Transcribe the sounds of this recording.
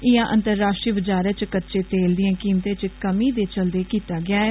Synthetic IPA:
ɪjãːʔənt̪əɾːaːsʈɾiːbəd͡ʒaːɾeːt͡ʃkətːʃeːt̪eːld̪ɪjãːkiːmt̪ẽːt͡ʃkəmiːd̪eːt͡ʃəld̪eːkiːt̪aːɡɪjaːɛː

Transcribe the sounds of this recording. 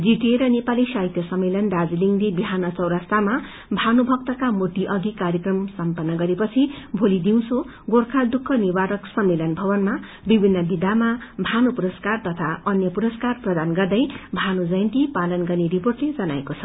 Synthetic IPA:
d͡ziʈeɾʌnepalisajt̪jʌsʌmːelʌnd̪ad͡ziliŋlebiɦanʌt͡sʌwɾast̪ama | bʱanubʱʌk̚t̪ʌkamoʈ̪iʔʌɡikaɾjʌkrʌmsʌmpʌnːʌɡʌɾepʌt͡sʰibʱolid̪iw̃so | ɡorkʰald̪ukʰːʌnibaɾʌksʌmːelʌnbʱʌbʌnma | bibʱinːʌbid̪amabʱanupuɾʌskart̪ʌt̪ʰaʌnjʌpuɾʌskarprʌd̪anɡʌrd̪ʌjbʱanud͡zʌjʌnt̪ipalʌnɡʌrneɾiporʈled͡zʌnaekot͡sʰʌ̥

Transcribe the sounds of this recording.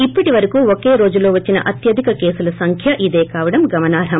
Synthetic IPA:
ipːɐʈiʋɐɾɐkuːokeːɾo̞ːd͡ʒulo̞ːʋɐt͡ʃːinɐ̰ʔɐt̪jɐd̪ʱikɐke̞ːsulɐsɐŋkʰjɐʔid̪e̞ːkaːʋɐɽɐmɡɐmɐnaːɾɐm

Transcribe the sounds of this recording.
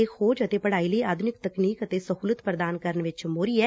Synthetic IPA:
eːkxoːd͡ʒət̪eːpəɽaːiləiʔaːd̪ʱʊnɪk̚t̪əkniːkət̪eːsəɦuːlət̪pɾəd̪aːnkəɾəɳʋɪt͡ʃmoːɾiːɛː

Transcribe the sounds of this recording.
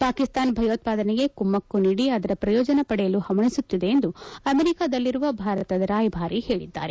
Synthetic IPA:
paːkist̪aːnbʱɐjoːt̪̚paːd̪ɐneɡe̞kumːɐkːuniːɽiɐd̪ɐɾɐpɾɐjɔːd͡ʒɐnɐpɐɽɛjɐluhɐmɐɳisut̪ːid̪e̞ːnd̪uɐmeɾikaːd̪ɐlːiɾuʋɐbʱaːɾɐt̪ɐd̪ɾaːjbʱaːɾihe̞ːɭid̪ːa̰ːɾe̞

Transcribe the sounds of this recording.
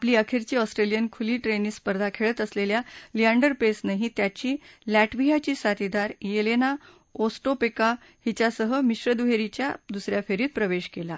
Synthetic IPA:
apliːəkʰiɾt͡ɕiːɔsʈɾelijənkʰuliːʈɾenispəɾd̪ʱakʰeɭət̪əsleljaliaɳɖəɾpesnaɦĩt̪jat͡ɕiːlæʈʋiɦat͡ɕiːsat̪id̪aɾjelena | osʈopeka | hit͡ɕasəɦəmiɕɾəd̪uɦeɾit͡ɕja̰d̪usɾjafeɾiːt̪̚pɾəʋeɕkela

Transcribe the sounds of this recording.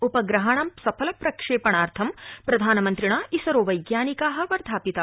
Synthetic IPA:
upɐɡɾɐɦaɳɐmsɐpʰɐlɐpɾɐkʂeːpɐɳaːɾt̪ʰɐmpɾɐd̪ʱaːnɐmɐnt̪ɾiɳaːisɐɾoːʋɐjɡjaːnikaːɦɐ̆ʋɐɾd̪ʱaːpit̪ɐ

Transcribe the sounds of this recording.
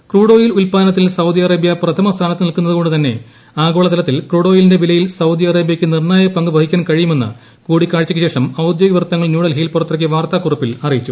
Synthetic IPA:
kruːɽo̞ːjilulpaːɐnɐt̪ːilsɐwd̪ijɐrɐːbjɐprɐt̪ʰɐmɐst̪ʰaːnɐt̪ːɨnilkunːɐðɨko̞ɳɖɨt̪ɐnːe̞̰ | aːɡo̞ːɭɐt̪ɐlɐt̪ːilkruːɽo̞ːjilinde̞ʋilɐjilsɐwd̪iɐrɐːbjɐkʲːɨnirɳaːjɐpːɐŋɡɨbʱɐhikʲːaːnkɐɻijume̞nːɨ̰ | kuːɽikːaːɻt͡ɕːɐkːɨɕe̞ːʂɐmɐwd̪joːɡiʋɐrt̪ːɐŋːɐɭnjuːɽɐlɦiːlpurɐt̪ːrɐk̬ʲːɨʋaːrt̪akurɐpːilɐrijit͡ɕːu

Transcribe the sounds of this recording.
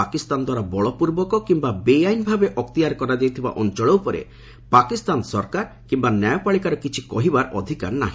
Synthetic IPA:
akist̪and̪waɾabɔɭɔpuɾbɔkɔkimbabejajnbʱabeʔɔkt̪iaɾkɔɾad͡ʒajt̪ʰiba̰ʔɔnt͡ʃɔɭowpɔɾḛ | pakist̪ansɔɾkaɾkimbanjajɔpaɭikaɾɔkit͡ʃʰi̥kɔɦibaɾɔ̰d̪ʱika̰ɾna̰ɦĩ

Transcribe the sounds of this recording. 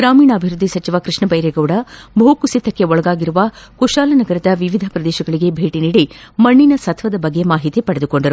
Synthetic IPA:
ɡɾaːmiːnɐːbʱiɾud̪ʱːisɐt͡ʃiʋɐkɾɨʂɳɐbɐjɾeɡɐwɽɐbʱoːkusit̪ːɐkːe̞ɔɭɐɡaːɡiɾuʋɐkuʃaːlɐnɐɡɐɾɐd̪ɐʋiʋid̪ʱɐpɾɐd̪ɛːʃɐɡɐɭiɡe̞bʱeːʈiniːɽimɐɳːinɐsɐt̪ʰʋɐd̪ɐbɐɡːemaːɦit̪ipɐɽed̪uko̞ɳɖɐɾu

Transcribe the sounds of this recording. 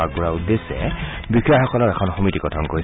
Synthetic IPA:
aɡ̚buɹaudesɛ̰bikʰiaxɔkɔlɔɹɛkʰɔnxomitiɡɔtʰɔnkoɹi

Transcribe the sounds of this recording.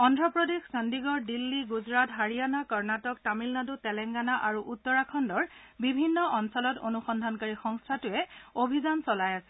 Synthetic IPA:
ɔndɹɔpɹɔdexsandiɡɔɹdilːiɡuzɹatɦaɹijanakɔɹnatɔk̚tamilnadutɛlɛŋɡanaʔaɹuʔutːɔɹakʰɔndɔɹ | bibʱinːɔʔɔnsɔlɔto̰nuxɔndʱankaɹixɔŋstʰatʊɛobʱizansɔlajasɛ̥

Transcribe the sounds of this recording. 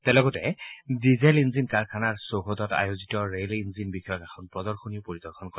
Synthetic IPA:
tɛlɔkɔtɛdizɛlinzinkaɹkʰanaɹsoɦodɔta̰jozitɔɹelinzinbixɔjɔkɛxʰɔnpɹɔdɔɹxʰoniʊpoɹidɔɹkʰɔnkɔ

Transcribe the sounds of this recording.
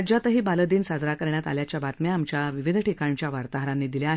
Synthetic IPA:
d͡ʑat̪əɦiːbaləd̪iːnsad͡zɾakəɾɳjat̪a̰ljat͡ɕjabat̪mjaːmt͡ɕjaʋiʋid̪ʱʈʰikaɲt͡ɕjaʋaɾt̪aɦɾanːiːd̪iljaaɦ

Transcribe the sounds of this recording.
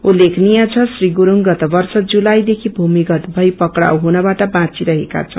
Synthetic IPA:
ulekʰnijat͡sʰʌsriɡuɾuŋɡʌt̪ʌbʌrsʌd͡zulajd̪ekʰibʱumiɡʌt̪bʱʌjpʌkɽa̰wɦunʌbaʈʌbãt͡siɾʌɦeka̰t͡sʰʌ̰

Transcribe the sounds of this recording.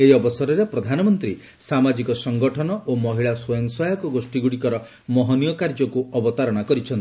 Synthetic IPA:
ejɔbɔsɔɾɔɾepɾɔd̪ʱanɔmɔnt̪ɾi | samad͡ʒikɔsɔŋɡɔʈʰɔnɔʔomɔɦiɭaswɔjɔŋsɔjɔkɔɡosʈiɡuɽikɔɾɔ | mɔɦɔnijɔkaɾd͡ʒɔkuɔbɔt̪aɾɔɽ̃akɔɾit͡ʃʰɔnt̪i̥

